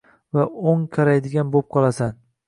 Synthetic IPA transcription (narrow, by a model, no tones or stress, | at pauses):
vaoŋkʲʰaɾajd̪ɪɡʲanbop̚qʰɒlˠasan